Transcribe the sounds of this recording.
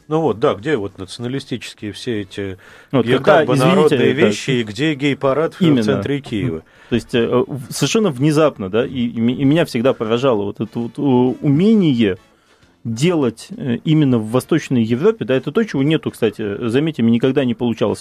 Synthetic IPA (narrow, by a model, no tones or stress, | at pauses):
nuvo̞t̪̚d̪aɡdʲevo̞t̪nət̪sɨənəlʲɪsʲtʲit͡ɕɪ̥skʲɪjəfsʲeɛtʲɪ | vot̪ʲkɐɡ̚d̪apəɪzvʲɪnʲɾiod̪ʲɪɨjəvʲɕːɪiɡdʲeɡʲejpɐɾat̪vimʲɪnsɛnːət̪ɾʲɪkʲijɪvə̰ | t̪o̞ɪsʲtʲəəsəvʲɪrʂɛnːəvnʲɪzapnəd̪aʔimʲːmʲɪnʲafsʲɪɡd̪apəɾɐʐalˠəvo̞t̪ɛt̪əvot̪əʊmʲenʲɪjə | dʲe̞lˠətʲəimʲɪnːəvːɐst̪o̞t͡ɕnəjjɪvɾo̞pʲɪd̪aɛt̪ət̪o̞t͡ɕɪvo̞nʲe̞t̪ʊkst̪atʲɪzɐmʲetʲɪmnʲɪkɐɡ̚d̪anʲɪpəlˠʊt͡ɕa̰lˠə̰sʲ